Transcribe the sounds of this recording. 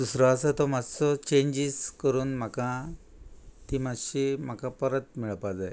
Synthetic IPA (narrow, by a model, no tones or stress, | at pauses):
d̪usɾɔasət̪ɔmad͡zt͡sɔt͡ɕẽɲd͡ʑiskəɾuːnm̤akã | t̪imad͡zɕim̤akãpəɾət̪̚miɭpad͡zaj